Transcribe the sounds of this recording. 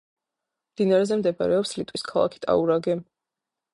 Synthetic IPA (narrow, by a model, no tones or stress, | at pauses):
md̪̥inaɾɛzɛmd̪ɛbaɾɛɔpslit̪ʼwiskʰalˠa̰kʰi̥t̪ʼa̰uɾaɡɛ